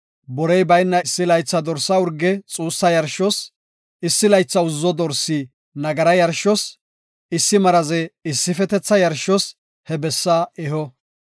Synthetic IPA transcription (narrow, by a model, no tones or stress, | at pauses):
bɔɾɛjbɐjnːɐɪsːɪlɐjt͡sːɐd̪ɔɾsːɐʊɾɡːɛt͡sʼuːsːɐjɐɾʃɔs | ɪsːɪlɐjt͡sːɐʊzːɔd̪ɔɾsi | nɐɡɐɾɐjɐɾʃɔs | ɪsːɪmɐɾɐzɛɪsːɪfɛt̪ɛt͡sːɐjɐɾʃɔs | hɛbɛsːaɛɦɔ